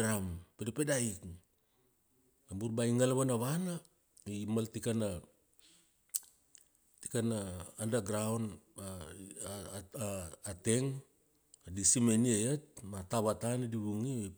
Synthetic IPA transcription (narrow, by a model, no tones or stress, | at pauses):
ɾampedepedaik | nambuɾbaiŋalaβanaβana | imaltikana | tikanaːndaɡɾawna | te̞ŋ | adisimeniejat̚mataβatanadiβuŋie